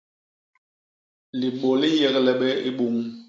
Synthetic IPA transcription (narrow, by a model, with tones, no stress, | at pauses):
li˨ɓo˨li˦jɛ˨klɛ˨ɓɛ˦i˦ɓu˨ŋ